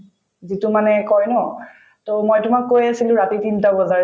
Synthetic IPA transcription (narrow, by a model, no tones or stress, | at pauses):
zitumanɛkɔjnɔ | tomojtʊmakːojasilʊ̃ɹatitintabɔzaɹ